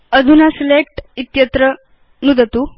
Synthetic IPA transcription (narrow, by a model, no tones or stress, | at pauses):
əd̪ʱunaselek̚ʈit̪jət̪ɾə | nud̪ʱət̪u